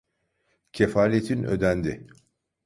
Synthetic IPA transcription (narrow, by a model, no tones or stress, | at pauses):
cʰefaːlʲet̪ʰinø̞̰d̪ænd̪ɪ